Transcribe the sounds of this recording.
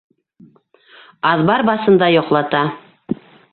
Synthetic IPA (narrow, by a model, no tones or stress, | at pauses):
ɑðbɑɾbɑsɤ̆nd̪ɑjoqlˠɑt̪ɑ